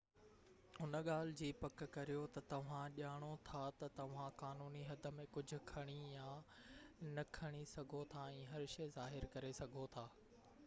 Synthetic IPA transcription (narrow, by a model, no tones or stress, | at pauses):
ʊnə̆ɠaːl̤ɪd͡ʑiːpɐkkɐɾijot̪ɐt̪ɐʋ̤ãʄaːɽ̃ot̪ʰat̪ɐt̪ɐʋ̤ãkaːnuːniɦɐd̪ʱə̆mẽkʊd͡ʑʱʊ̆kʰɐɽ̃ijãː | nɐkʰɐɽ̃isɐɡʱot̪ʰaɛ̃ːɦɐɾʃɐzaːɦɪɾkɐɾesɐɡʱot̪ʰaː